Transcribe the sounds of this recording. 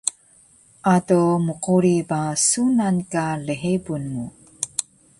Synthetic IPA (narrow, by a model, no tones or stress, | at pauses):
ʔatomuquɾibasunankaliɦebunmu